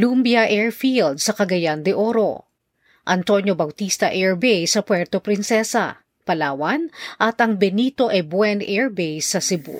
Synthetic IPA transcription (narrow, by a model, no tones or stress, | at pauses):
lumbjɐʔɛɹfild̪̚sɐkɐɡɐjand̪ɪʔoɾo̞̰ | ʔɐnt̪o̞njobɐwt̪ist̪ɐʔɛɹbejsɐpwɛɹt̪opɾɪnsɛsɐ̰ | pɐlaːwɐnʔɐt̪ɐŋbɛniːt̪o̞ʔɛbwɛnʔɛɹbejsɐsɪbṵ